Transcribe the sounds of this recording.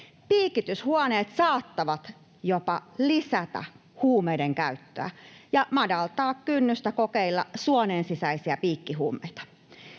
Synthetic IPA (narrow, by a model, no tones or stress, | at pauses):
piːkit̪yshuɑneːt̪sɑːt̪ːɑʋɑt̪ | jopɑlisæt̪æ̰ | huːmeideŋkæyt̪ːø̰æ̰jɑmɑdɑlt̪ɑːkkynːyst̪ækokeilːɑ̰suoneːnsisæisiæpiːkːiɦuːmḛit̪ɑ̥